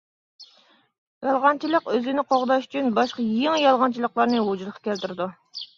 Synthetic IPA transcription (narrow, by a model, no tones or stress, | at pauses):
jɑlˠʁɑnt͡ʃʰilˠəqøzɪnɪqʰoʁd̪ɑʃy̥t͡ʃʰynbɑʃqɑjeŋjɑlˠʁɑnt͡ʃʰilˠəqlˠɑɾnɨwod͡ʒulˠəqʰːɑ̥kʲɛlt̪ɪɾɪd̪u